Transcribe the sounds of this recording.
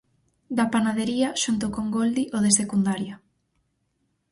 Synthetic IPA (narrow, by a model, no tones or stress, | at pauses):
d̪apanaðeɾiaʃunt̪okoŋɡold̪iʔoðesekund̪aɾja